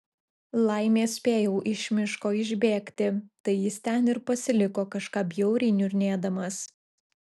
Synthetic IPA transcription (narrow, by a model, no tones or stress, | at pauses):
lˠɐɪmʲeːsʲpʲeːjɛʊʔɪʃʲmʲɪʃkoːɪʒʲbʲeːkt̪ʲɪt̪ɐɪjɪst̪ʲɛnɪɾpɐsʲɪlʲɪkoːkɐʃkɑːpjɛʊɾʲɪɪnʲʊɾʲnʲeːd̪ɐmɐs